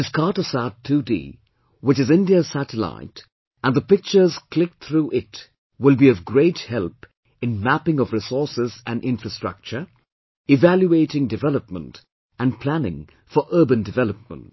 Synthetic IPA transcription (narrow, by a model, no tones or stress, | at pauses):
ɨskʰɑɹtəsatʰːudḭ | wɨt͡ʃɨzɪ̃ndiəsæɾəla̰ɪt | ə̃nðəpɪk̚t͡ʃə˞z̥kʰl̥ɪk̚θɹuʔɪt | wɪlˠbiʌvɡɹeɪthɛlˠp | ɨ̃nmæpɪ̃ŋʌvɹɪsɔɹsɪzɨ̃nɪ̃nfɹɨstɹ̥ʌ̰k̚t͡ʃə˞ | ɪvæljueɪɾɪ̃ŋdɨvɛləp̚mə̰̃nt | ɨ̃npʰlænɪ̰̃ŋ | fə˞ʔɜːbɨ̃ndɨvɛlˠəp̚mə̰̃nt